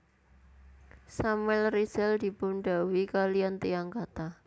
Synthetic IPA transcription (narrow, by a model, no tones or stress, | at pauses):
samwɛlrisɛld̪i̤bunɖa̤wikaliant̪iaŋkat̪a